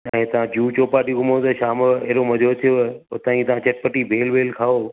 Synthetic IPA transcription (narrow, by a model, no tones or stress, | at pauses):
ɛ̃ːt̪ɐʋ̤ãd͡ʑuːt͡ɕoːpaːɗiɡʊmot̪ɐʃaːmeːɾomɐd̪ʱot̪ʰijoot̪ãːĩt̪ɐʋãt͡ɕɐʈ̚pəʈibʱeːlʋeːlkʰaːoː